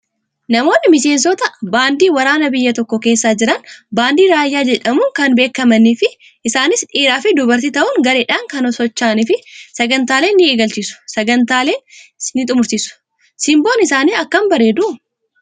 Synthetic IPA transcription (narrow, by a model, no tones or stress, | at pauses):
nɐmo̞ːnːɪmɪse̞ːnsɔt̪ɐbaːnd̪iːwɐɾaːnɐbɪjːɐt̪ɔkːɔke̞ːsːaːd͡ʒɪɾɐnbaːnd̪iːɾaːjːaːd͡ʒɛᶑɐmʊŋkɐnbe̞ːkːɐmɐnːifɪ | ʔɪsaːnɪsᶑiːɾaːfɪd̪ʊbɐɾt̪ɪt̪ɐʔʊŋɡɐɾeːᶑaːŋkɐnɔsɔt͡ʃːaːnɪfɪsɐɡɐnt̪aːleːnːɪːɡɐlt͡ʃɪsʊ̥sɐɡɐnt̪aːle̞ːnːɪt̪ʼʊmʊɾt͡ʃ̪ɪsʊ̥ | sɪmboːnɪsaːniːɐkːɐmbɐɾeːd̪ʊ